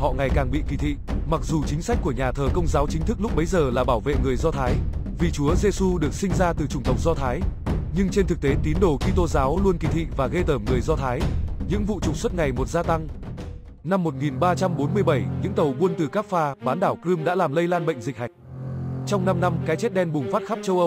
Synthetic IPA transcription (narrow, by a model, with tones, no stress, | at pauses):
hɔ̰˧˨ŋa˨˩jkaː˨˩ŋɓḭ˧˨ki˨˩t̪ʰḭ˧˨ma˨˩k̚zu˨˩t͡ɕï˨˦ŋ̟sa˦˥k̟ku˧˩əɲaː˨˩t̪ʰəː˨˩kə˧wŋ͡mzaː˨˦wt͡ɕï˨˦t̪ʰɨ˦˥k̚lʊ˦˥k͡p̚ɓə˨˦jzəː˨˩laː˨˩ɓaː˧˩wvḛ˧˨ŋɨ˨˩əjzɔ˧t̪ʰaː˨˦j | vi˨˩t͡ɕu˨˦əze˧su˧ɗɨ˨˩ək̚si˧ŋ̟zaː˧t̪ɨ˨˩t͡ɕʊ˨˩ŋ͡mt̪ə˨˩wk͡p̚zɔ˧t̪ʰaː˨˦jɲɨ˧ŋt͡ɕe˧nt̪ɨ˨˩k̚t̪e˨˦t̪i˨˦ənɗo˧˩xi˧t̪o˧zaː˨˦wlu˧ənki˨˩t̪ʰḭ˧˨vaː˨˩ɣe˧t̪əː˧˩mŋɨ˨˩əjzɔ˧t̪ʰaː˨˦jɲɨ̰˧˥ŋvṵ˧˨t͡ɕʊ˨˩k͡p̚swə˦˥t̚ŋa˨˩jmo˨˩t̚zaː˧t̪a˧ŋ | na˧mːo˨˩t̚ŋi˨˩nɓaː˧t͡ɕa˧mɓo˨˦nmɨ˧əjɓə˧˩jɲɨ̰˧˥ŋt̪ə˨˩wɓu˧ənt̪ɨ˨˩kaː˦˥p̚faː˧ɓaː˨˦nɗaː˧˩wkɨ˧mɗa̰ː˧˥laː˨˩mlə˧jlaː˧nɓə̰˧˨jŋ̟zï˨˩k̚ha˨˩jk̟̚t͡ɕɔ˧wŋ͡mna˧mna˧mkaː˨˦jt͡ɕe˦˥t̚ɗɛ˧nɓʊ˨˩ŋ͡mfaː˦˥t̚xa˦˥p̚t͡ɕə˧wʔə˧w